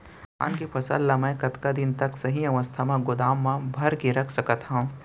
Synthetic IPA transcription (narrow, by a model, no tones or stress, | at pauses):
a̰ːnkipʰɐsə̰lːamɛ̃kɐt̪kad̪ɪnt̪ɐksɐɦiɐʋəst̪ʰamãɡʊd̪aːmːãbʱɐɾkeɾɐkʰsɐkət̪ɦã